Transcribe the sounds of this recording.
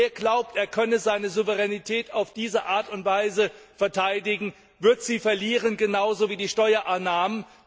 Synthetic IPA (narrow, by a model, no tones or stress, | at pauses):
eːɐɡlaʊp̚tʔeːɐkʰœnəzaɪnəzuvəʁɛnitʰɛːtʰaʊfd̥iːzəʔaːɐtʊntv̥aɪzəfɛɐtʰaɪdɪɡŋ̩ | vɪɐtz̥iːfɛɐliːʁənɡənaʊzoːviːdiːʃtɔʏɐʔanːaːmən